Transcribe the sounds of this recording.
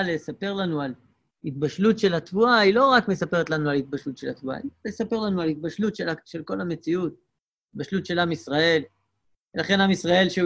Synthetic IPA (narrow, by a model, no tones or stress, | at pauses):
lesape̞ʁlanual | it̪̚baʃlutʃe̞lat̪vuailo̞ʁakme̞sape̞ʁetlanualit̪̚baʃlut̪ʃe̞lat̪vua̰iesape̞ʁlanualit̪̚baʃlutʃeaʃe̞lko̞lame̞t͡siut̪ | it̪baʃlutʃe̞lamisʁae̞l | velaχe̞namisʁae̞lʃe